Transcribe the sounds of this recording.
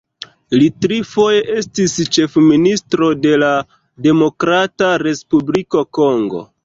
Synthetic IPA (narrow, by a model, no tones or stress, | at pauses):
litɾifo̞je̞ʔe̞stist͡ʃe̞fministɾo̞de̞la | de̞mo̞kɾataɾe̞spubliko̞ko̞ŋɡo̞̰